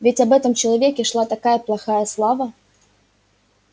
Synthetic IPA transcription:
vʲɪtʲɐbɛt̪əmt͡ɕɪlˠɐvʲekʲɪʂlˠat̪ɐkajəplˠɐxajəslˠavə

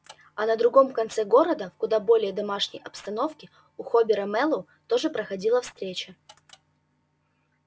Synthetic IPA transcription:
ɐnəd̪ɾʊɡo̞mkɐnt̪sɛɡo̞ɾəd̪əfkʊd̪abo̞lʲɪjəd̪ɐmaʂnʲə̰jɐpst̪ɐno̞fkʲɪ | ʊxobʲɪɾəmɛlˠʊ | t̪o̞ʐɨpɾəxɐdʲilˠəfst̪ɾʲet͡ɕə

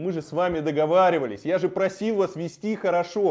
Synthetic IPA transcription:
mɨʐɨsvamʲɪd̪əɡɐvaɾʲɪvəlʲɪsʲjaʐɨpɾɐsʲilˠvasvʲɪsʲtʲixəɾɐʂo

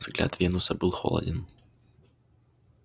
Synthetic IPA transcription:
zɡlʲa̰t̪vʲenʊsəbɨlˠxo̰lˠə̰dʲɪn

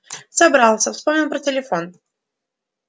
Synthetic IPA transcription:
sɐbɾalˠsʲəfspo̞mnʲɪlˠpɾətʲɪlʲɪfo̞n

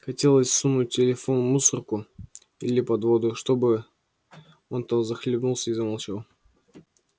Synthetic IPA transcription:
xɐtʲe̞lˠəsʲsumːʊtʲːɪlʲɪfo̞nmusərkʊ | ilʲɪpɐd̪vo̞d̪ʊʂt̪o̞bɨ | o̞nt̪azəxlʲɪbnulˠsʲəizəmɐlˠt͡ɕalˠ

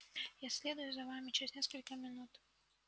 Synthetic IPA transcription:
jasʲlʲed̪ʊjʊzɐvamʲɪt͡ɕɪɾʲɪzʲnʲeskəlʲkəmʲɪnut̪

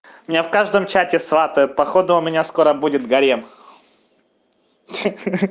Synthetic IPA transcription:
mʲɪnʲafkaʐd̪əmt͡ɕætʲɪsvat̪əjʊt̪̚pɐxod̪ʊʊmʲɪnʲasko̞ɾəbudʲɪt̪ɡɐɾʲem

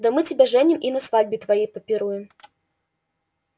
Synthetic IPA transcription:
d̪ɐmɨt͡sʲɪbʲɛʐɛnʲimʔinɐsvad͡zʲbʲit̪vajɛjpɐpʲɪɾujɛm

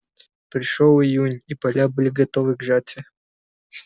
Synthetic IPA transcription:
pɾʲɪʂolˠɪjunʲipɐlʲabɨlʲɪɡɐt̪ovɨɡʐatʲɪ

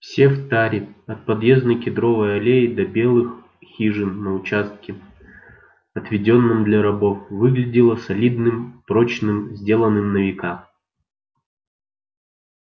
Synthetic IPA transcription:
fsʲeft̪aɾʲɪɐt̪̚pɐd̪jeznəjkʲɪd̪ɾo̞vəjɐlʲejɪd̪ɐbʲe̞lˠɨx | xʲiʐɨnːəʊt͡ɕast̪̚kʲɪ | ɐt̪vʲɪdʲo̞nːɨmd̪lʲɐɾɐbo̞fvɨɡlʲɪdʲɪlˠəsɐlʲid̪nɨmpɾo̞t͡ɕnɨmzʲdʲe̞lˠənːɨmnəvʲɪkam

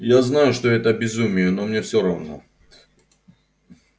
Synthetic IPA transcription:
jaznajʊʂt̪oɛt̪əbʲɪzumʲɪjənomnʲefsʲoɾavno̰

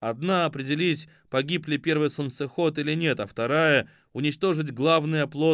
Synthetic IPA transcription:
ɐd̪naɐpɾʲɪdʲɪlʲitʲ | pɐɡʲiplʲɪpʲe̞rvɨjsənsɨxo̞t̪ilʲɪnʲe̞t̪ɐft̪ɐɾajə | ʊnʲɪt͡ɕt̪o̞ʐɨtʲɡlˠavnɨjəplˠo

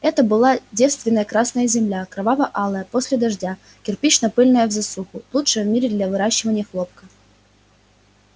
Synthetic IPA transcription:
ɛt̪əbɨlˠadʲe̞fst̪vʲɪnːəjəkɾasnəjəzʲɪmlʲakɾɐvavəʔalˠəjəposʲlʲɪd̪ɐʐdʲa | kʲɪrpʲit͡ɕnɐpɨlʲnəjəvzɐsuxʊlˠutʂɨjəvmʲiɾʲɪd̪lʲɐvɨɾaɕːɪvənʲɪjəxlˠop̚kə

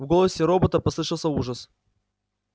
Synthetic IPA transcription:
vɡolˠəsʲɪɾobət̪əpɐslˠɨʂɨlˠsʲəuʐəs

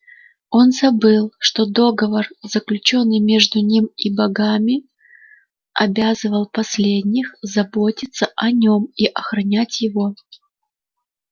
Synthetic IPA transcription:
o̞nzɐbɨlˠʂt̪o̞d̪o̞ɡəvərz̥əklʲʉt͡ɕo̞nːɨjmʲe̞ʐd̪ʊnʲimibɐɡamʲɪ | ɐbʲazɨvəlˠpɐsʲlʲedʲnʲɪxzɐbo̞tʲɪt̪səʔɐnʲo̞miʔɐxɾɐnʲætʲjɪvo̞

